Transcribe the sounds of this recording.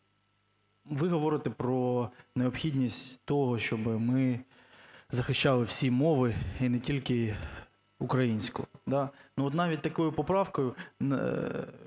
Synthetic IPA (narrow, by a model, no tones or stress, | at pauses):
ʋɪɦɔʋɔɾɪt̪ɛpɾɔneɔpxʲidʲnʲisʲtʲt̪ɔɦɔʃt͡ʃɔbɪmɪ | zɐxɪʃt͡ʃɑlˠɪwsʲimɔʋɪinɛtʲilʲkɪ | ukɾɐjinʲsʲkʊd̪ɑnuɔt̪nɑʋʲit̚ʲt̪ɐkɔjʊpɔpɾɑwkɔjʊ̰